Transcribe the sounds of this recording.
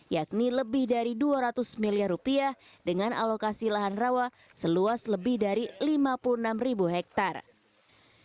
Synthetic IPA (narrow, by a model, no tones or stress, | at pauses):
jak̚niləbɪhdaɾiduaɾat̪ʊsmiliarupiahdəŋanʔa̰lokasilaɦanrawa | səluasləbɪhdaɾilimapuluənamribuɦɛk̚t̪ar